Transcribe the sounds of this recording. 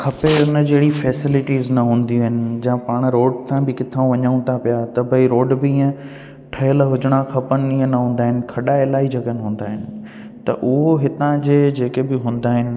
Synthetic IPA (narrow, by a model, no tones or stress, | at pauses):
kʰɐpeʊnə̆d͡ʑeɦɽifɛːsɪlɪʈiːznɐɦũːnd̪ijũɦɪnɪ̆d͡ʑɐ̃paːɽ̃ɾoːɖsʰãbɪkɪt̪ʰaːũʋɐɲaũnt̪ʰapijat̪ɐbʱɐiɾoːɖbɪĩːə̃ | ʈʰɐjəlɦʊd͡ʑɪɽ̃akʰɐpənɪ̆ĩːə̃nɐɦũːn̆d̪aːɦɪnɪ̆kʰɐɗaelaːid͡ʑɐɡənɪɦũːn̆d̪aːɦɪnɪ̆ | t̪ɐ̰ʔʊɦoɦɪt̪ãd͡ʑeːd͡ʑeːkebɪɦũːn̆d̪aːɦɪnɪ̆